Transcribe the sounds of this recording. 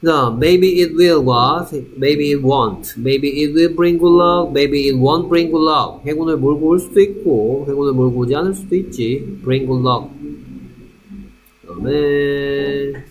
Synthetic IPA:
nameɪbiːt̚wilɡwamejbiːt̚wɔ̃ntmeɪbiːt̬̚wilbɹĩŋɡulʌk̚mejbiːt̚wɔ̃nt̚bɹĩŋɡulʌk̚heɡunɯɭmoɭɡooɭsud̪uik̚koɦeɡunɯɭmoɭɡod͡ʑianɯɭsud̪uit̚t͡ɕib̥ɹĩŋɡulːʌk̚ | ʌ̰me

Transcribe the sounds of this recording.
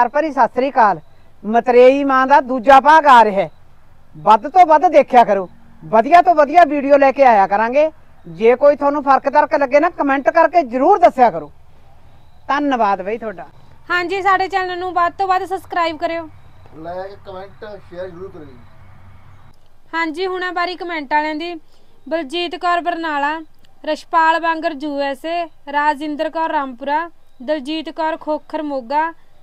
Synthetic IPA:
əɾpəɾiːsaːst̪ɾiːkaːl | mət̪ɾeːiːmãːd̪aːd̪uːd͡ʒaːpaːɡaːɾɦɛː | bəd̪t̪õːbəd̪d̪eːkʰjaːkəɾuː | bəd̪ɪjaːt̪õːʋəd̪ɪjaːʋiːɖijoːlɛːkeːaːjaːkəɾãːŋɡeː | d͡ʒeːkoːiːt̪ʰaːnũːpʰəɾkt̪əɾkləɡːeːnaːkəmɛ̃ːɳʈkəɾkeːzəɾuːɾd̪əsjaːkəɾoː | t̪ənbaːd̪bəiːt̪ʰoːɖaː | hãːd͡ʒiːsaːɖeːt͡ʃəlnãːnũːbaːd̪̚t̪õːbaːd̪səbskɾaːiːbkəɾeːoː | lɛkəmɛ̃ːɳʈʃeːəɾʃʊɾuːkəɾiː | hãːd͡ʒiːɦʊɽ̃ãːbaːɾiːkəmɛ̃ːɳʈaːlɛ̃ːnd̪iː | bəld͡ʒiːt̪kɔːɾbəɾnaːlaː | ɾəʃpaːlbãːŋɡəɾd͡ʒuːɛːseː | ɾaːd͡ʒɪnd̪əɾkɔːɾːaːmpʊɾaː | d̪əld͡ʒiːt̪kɔːɾkʰoːkʰəɾmoːɡaː

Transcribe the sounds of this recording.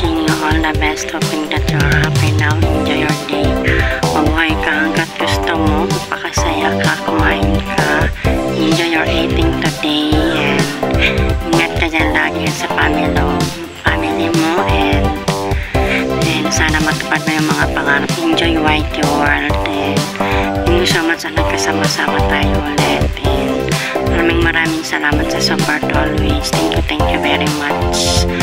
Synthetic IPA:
ɪŋjuʔɔld̪əbɛst̪hopɪŋt̪ad͡ʒʊaapɛjlawɛ̰nd͡ʒɔjɔɹd̪ejmɐbuɦajkɐhaŋkat̪̚ɡʊst̪omomɐpɐkasɐjakakɐmahɪnkʰaʔɛnd͡ʒɔjɔɹʔet̪ɪŋt̪ud̪ejɛnd̪iŋɐt̪̚kɐd͡ʒanlaːɡikasɐfamilo | familimoʔɛnd̪ | d̪ɛnsaːnɐmɐt̪ʊ̥pad̪̚mɐjʊŋmɐŋapɐŋaːɾɐp̚ʔɛnd͡ʒɔjwajt̪joald̪ɛnʊmʊsomat͡ʃɐnɐɡ̚kɐsamasaːmɐt̪aːjolɛt̪ʔɛnd̪ | mɐɾaːmɪŋmɐɾaːmɪŋsɐlaːmɐt̪̚sɐsɔpɐɹt̪ɔlwist̪ʰɛŋkjut̪ɛŋkjuvɛɹimat͡ʃ

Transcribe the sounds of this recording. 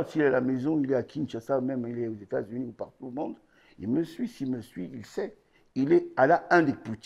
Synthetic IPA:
siilɛalamezɔ̃ilɛakʲʰinʃasamɛmilɛozet̪a̰zyniupaʁt̪uləmɔ̃d̪ | ilməsɥisilməsɥiilsɛ | ilɛalaɛ̃d̪eput̪

